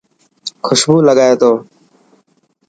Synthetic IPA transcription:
kʰʊʃbuːləɠaːjeːt̪oː

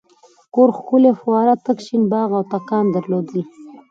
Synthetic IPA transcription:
koɾxkulefwɑɾat̪əkʃinbɑɣawt̪akɑnd̪əɾlod̪əl

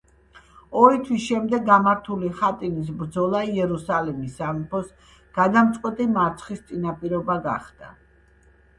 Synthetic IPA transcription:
ɔɾit̪ʰwisʃɛmd̪ɛɡːamaɾt̪ʰuliχat̪ʼinis̬bɾd̪zɔlˠaiɛɾusalɛmisːampʰɔs | ɡ̥ad̪amt̪sʼqʼwɛt̪ʼimaɾt̪sʰχist̪sʼinapʼiɾɔbaɡa̰χd̪̥a

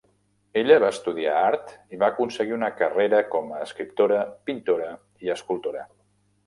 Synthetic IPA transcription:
eʎəβaəst̪uðiaaɾt̪iβaəkunsəɣiunəkəreɾəkɔməːskɾip̚t̪oɾəpint̪oɾə | iəskulˠt̪oɾə

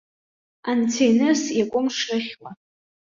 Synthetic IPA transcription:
ant͡sʰejnɨsjakʷʼʊmʂrɨχʲwa

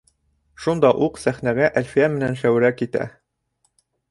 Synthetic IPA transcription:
ʃund̪ɑʔuqsæχnæɡæʔælfijæmɘ̆nænʃæw̆ɾækit̪æ̰

